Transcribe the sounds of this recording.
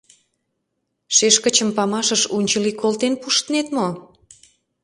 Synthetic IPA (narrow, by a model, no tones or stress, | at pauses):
ʃeʃkə̆t͡ɕəmpɑmɑʃəʃunʲt͡ɕəlikolt̪enpuʃt̪ənet̪mo